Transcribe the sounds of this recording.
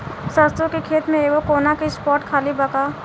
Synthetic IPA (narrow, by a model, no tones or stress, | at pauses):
sast̪õkekʰeːt̪mẽeːʋokoːnakispɔːɾʈkʰaːlibɐkaː